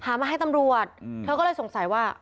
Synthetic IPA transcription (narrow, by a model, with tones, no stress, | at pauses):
hʰaː˨˦maː˧ɦa˥˩jt̪a˧mɾu˨˩ət̪̚ʰːɤː˧kɔː˥˩ɤː˧jso˩˦ŋsa˨˩˦jwaː˥˩